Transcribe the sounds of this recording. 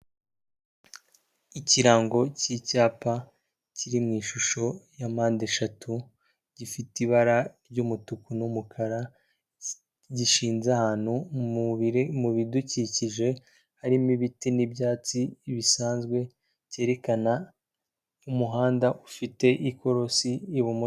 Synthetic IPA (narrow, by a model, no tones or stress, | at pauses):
iciɾaːŋɡo̞cicaːpa | ciɾimŋiːʃuʃo̞jamaːndeʃatʰu | ɟifitiβaɾaɾɟumutukunumukʰaɾa | ɟiʃiːnzahaːn̥huuβimuβiduciciʒe̞ | haɾimiβitinibjaːt͡siβisaːnzɡwe̞ | ce̞ːɾe̞kana | umuɦaːndaʔufite̞ʔiko̞ɾo̞siːβomu